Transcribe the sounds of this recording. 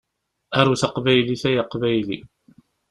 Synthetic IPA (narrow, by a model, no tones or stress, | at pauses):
æɾˤuθəqvæjliθæjaqvæjlḭ